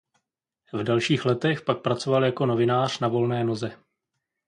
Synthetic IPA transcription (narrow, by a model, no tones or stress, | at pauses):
vdɛlʃiːxlɛt̪ɛxpak̚pɾat͡so̞valjako̞no̞vɪnaːr̝̥navo̞lnɛːno̞zɛ